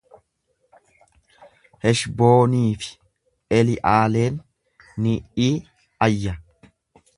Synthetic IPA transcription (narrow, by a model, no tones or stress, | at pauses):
hɛʃbo̞ːniːfɪ̥ | ʔɛlɪʔaːle̞ːnː | iʔiː | ɐjːɐ